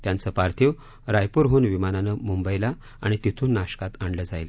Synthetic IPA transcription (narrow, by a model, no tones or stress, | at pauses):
t̪jant͡səpaɾt̪ʰiʋ | ɾajpuɾɦoːnʋimananəmumbəjla | aɽ̃it̪it̪ʰuːnːaɕkat̪aɳɖləːd͡zajlə